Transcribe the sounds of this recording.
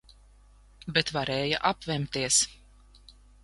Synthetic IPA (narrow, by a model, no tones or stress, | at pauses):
bet̪vaɾɛːja̰ʔapvɛmt̪iɛs